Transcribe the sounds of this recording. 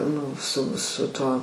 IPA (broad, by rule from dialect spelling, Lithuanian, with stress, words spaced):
ˈnʊ sʊ sʊ ˈtuɔ